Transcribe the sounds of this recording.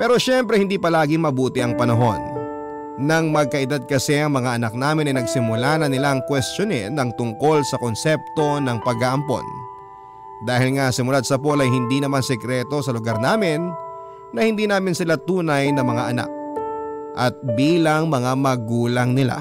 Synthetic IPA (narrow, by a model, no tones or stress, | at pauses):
pɛːɾo̞ʃɛmpɾɛhɪnd̪iːpɐlaːɡɪŋmɐbuːt̪ɪʔɐŋpɐnɐɦo̞nː | ɐŋmɐɡ̚kɐʔɪd̪ad̪̚kɐsɛʔɐŋmɐŋaʔɐnɐk̚naːmɪnɐjnɐɡsɪmʊlanɐnɪlaʔɐŋkwɛst͡ʃonɪnːɐŋt̪ʊŋko̞lsɐkonsɛp̚t̪o̞nɐŋpɐɡaʔɐmpo̞̰n | d̪aːhɪlŋasɪmʊlad̪̚sɐp̬olɐjhɪnd̪inɐmansɛkɾɛt̪o̞sɐlʊɡaɾnaːmɪnː | ɐhɪnd̪iːnaːmɪnsɪlat̪uːnɐjnɐmɐŋaʔɐna̰k̚ | ʔɐt̪̚biːlɐŋmɐŋamɐɡuːlɐŋnɪla̰